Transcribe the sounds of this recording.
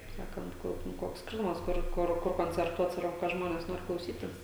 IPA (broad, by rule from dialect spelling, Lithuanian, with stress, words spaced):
kɐɪp ˈsɑːkɐnt ˈkʊr ˈkoːks ˈsʲkʲɪrtʊmɐs ˈkʊr ˈkʊr ˈkʊr koːnʲt͡sʲɛrˈtuɔt ˈsʋɐrbʊ kɐ ˈʒmoːnʲɛs ˈnoːrʲɪ klˠɐʊˈsʲiːtʲɪs